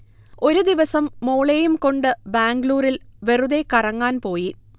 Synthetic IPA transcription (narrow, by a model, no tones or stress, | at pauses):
o̞ɾud̪iʋɐsɐmːoːɭejumko̞ɳɖɨbaːŋɡluːrilʋe̞ruðe̞kɐrɐŋːaːnpo̞ːji